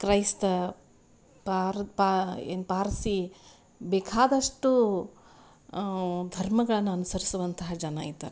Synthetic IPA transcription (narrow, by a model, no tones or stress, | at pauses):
kɾɐjst̪ | paɾpaḛːnpaːɾsi | beːkʰaːd̪ɐʂʈu | d̪ʱɐɾmɐɡɐɭɐnːuɐnusɐɾisuʋɐnt̪ɐɦɐd͡ʒɐnaːjit̪ːaːɾe